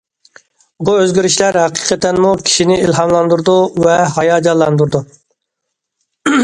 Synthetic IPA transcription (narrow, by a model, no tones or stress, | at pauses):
buøzɡʲiɾiʃlæɾhæqi̥qʰɛt̪ɛnmukʲʰi̥ʃinɪilɦɑmlˠɑnd̪uɾd̪uvɛɦɑjɑːd͡ʒɑlˠːɑnd̪uɾd̪u